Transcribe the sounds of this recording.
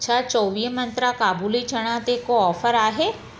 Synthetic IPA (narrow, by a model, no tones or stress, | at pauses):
t͡ʃʰat͡ʃɔːʋiːmɐ̃nt̪ɾakaːbuːlit͡ʃəɽ̃ãt̪ekoɔːfʰəɾaːɦeː